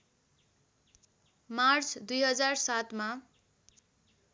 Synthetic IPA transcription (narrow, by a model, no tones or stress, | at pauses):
mart͡sʰd̪ujɦʌd͡zarsat̪ma